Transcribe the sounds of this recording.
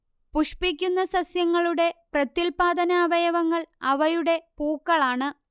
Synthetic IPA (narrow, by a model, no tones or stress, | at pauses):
puʂpikʲːunːɐsɐsjɐŋːɐɭuɽe̞prɐt̪ːilpaːd̪ɐnaːʋɐjɐʋɐŋːɐɭɐʋɐjuɽe̞puːkːɐɭaːɳɨ